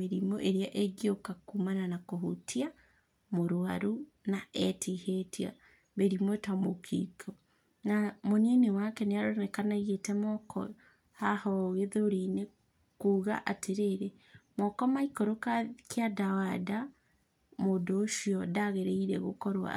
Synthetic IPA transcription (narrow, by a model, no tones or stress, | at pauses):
eɾimoʔeɾeaʔeɡiokakumananakoɦotʰia | moɾoaɾu | naɛtihetʰia̰ | βeɾimwetamokʰḭkʰo | namonenewakɛneaɾonɛkanaɣetɛmɔkʰɔ̰ | hahɔɣeðoɾine | kuːɣa̰ʔatʰeɾeɾe | mɔkɔmaikɔɾokakeadawada | modoːʃiɔdaɣeɾeiɾɛ̰ɣokɔɾwa̰